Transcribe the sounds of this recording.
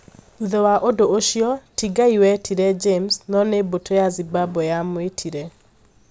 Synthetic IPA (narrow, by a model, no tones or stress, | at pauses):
uðɔwaʔodooʃiɔtiɡaiwɛtʰiɾɛd͡ʒemsnɔnebotʰojazibabɔjamwetʰiɾɛ